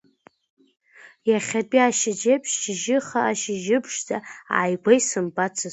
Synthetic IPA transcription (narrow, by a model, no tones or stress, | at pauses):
jaχʲapʼiaʃɪd͡ʒepʰʃt͡ʃɪʒɪχaːʃɪʒɪbʰʂd͡zaa̰ːjɡʷajsɨmbʼat͡sʰa